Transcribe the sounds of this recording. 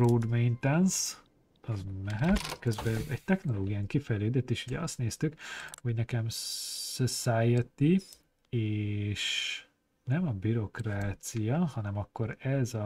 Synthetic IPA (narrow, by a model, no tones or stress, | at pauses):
roːd̪mejnt̪ɛns | ɒzmɛɦɛt̪køzbɛɛɟ̚t̪ɛxno̞loːɡijaːŋkifɛjløːd̪ɛt̪ːeːʃuɟɛɒst̪neːst̪ykho̞ɟnɛkɛmsosajɛt̪i | eːʃ | nɛmɒbiɾo̞kraːt̪sijɒhɒnɛmɒkːo̞ɾɛzɒ